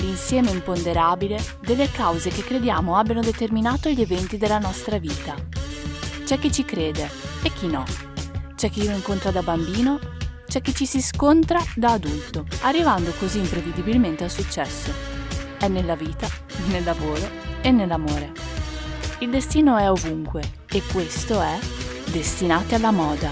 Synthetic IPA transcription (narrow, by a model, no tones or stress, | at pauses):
insjɛːmeimpond̪eɾaːbile | d̪elːekawzek̟ekːɾed̪jaːmoabjanod̪et̪erminaːt̪oʎevɛnt̪id̪elːanɔst̪ɾaviːt̪a | t͡ʃɛk̟ːit͡ʃːikɾeːd̪eek̟ːinɔ̰ | t͡ʃɛk̟ːiiːloiŋkont̪ɾad̪abambiːnot͡ʃɛk̟ːit͡ʃːisiskont̪ɾad̪aːd̪ult̪oarːivand̪okoziːmpɾevid̪ibilment̪ealsut͡ʃːɛsːoɛnːelːaviːt̪a | nelːavoːɾo | enːelːamoːɾe | ild̪est̪iːnoɛovuŋkwe | ekːwest̪oɛ | d̪est̪inaːt̪ealːamɔːd̪a